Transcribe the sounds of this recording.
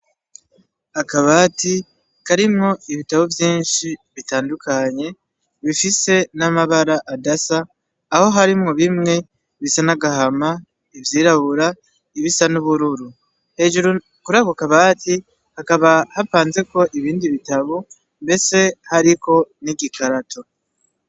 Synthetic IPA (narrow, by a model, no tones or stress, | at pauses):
akaβati | kaɾimŋo̞iβitaβovjiːnʃiβitaːndukʰaɲe̞ | βifise̞namaβaɾaʔadasaː | ho̞ɦaɾimŋo̞βimŋe̞ | βisanaɡaɦama | ivjiːɾaβuɾa | iβisanuβuɾuɾu | he̞ːʒuɾu | kuɾaɡokaβaːti | hakaβahapaːnze̞ko̞ʔiβiːndiβitaβo | mbe̞se̞haɾiko̞niɡikʰaɾatʰo̞